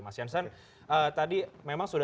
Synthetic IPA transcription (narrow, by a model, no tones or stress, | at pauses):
masiansan | əːt̪adimemaŋsuda